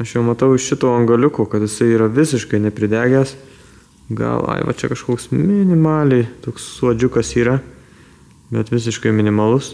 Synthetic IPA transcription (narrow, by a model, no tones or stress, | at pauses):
ɐʃjɛʊmɐt̪ɐʊɪʃʃʲɪt̪oːɐŋɡɐlʲʊkoːkɐt̪jɪsɐɪiːɾɐʋʲɪs̬ʲɪʃkɐɪnʲɛpʲɾʲɪd̪ʲæːɡʲæːs | ɡɐ̰lˠɐ̰ɪʋɐ̰t͡ʃʲɛ̰kɐʃkoːksmʲɪnʲɪmɑːlʲɛɪt̪oːksːuɔd͡ʒʲʊkɐsiːɾɐ | bʲɛt̪ʋʲɪs̬ʲɪʃkɐɪmʲɪnʲɪmɐlˠʊs